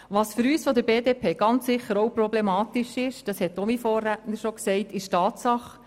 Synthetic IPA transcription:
ʋɑːsfʏɾyːsfɔdəɾbeːdeːpʰeːɡ̥ɑnt͡sːɪχəɾowpɾɔblemɑːt̪ɪʃɪʃd̥ɑshɛtːomifɔːrːætn̩əʃoksɛɪtɪʃtɑːtsɑχ

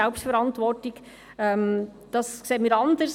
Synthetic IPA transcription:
ɛlpstfɛɾɑntʋɔrtɪç | ɛmd̥ɑskseːəmiːɾɑndəs

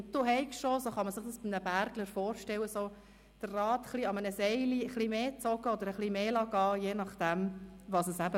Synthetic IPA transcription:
ʊnt̚d̥̪uɦɛɪkʃʃosoχɑməsɪχd̥̪ɑsb̥imnəbæɾɡ̥ləɾfoːɾʃtɛlːəso | d̥ərːɑːt̪χliɑmənəsɛɪliəχlimeːt͡sɔɡəɔd̪əɾəχlimeːlɑɡɑːjeːnɑχd̥̪æmʋɑsəsæbə

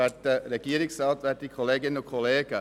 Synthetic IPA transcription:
ætəreɡ̥iːəɾɪksɑltʋætikʰoleːɡɪnʊkʰoleːɡə

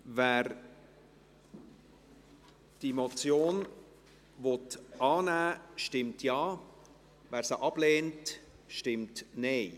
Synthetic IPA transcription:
væːɾ | d̥imot͡sjoːn | vɔtʔɑːnæːʃtɪmtʰjɑː | væːɾsəʔɑb̥leːnt | ʃtɪmtneɪ

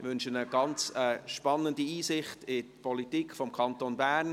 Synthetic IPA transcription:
ʋʏnʃənəɡ̥ɑnt͡səʃpɑnːəndiiːsɪχtɪtpʰɔlitiːkfɔmkʰɑntonbæːn

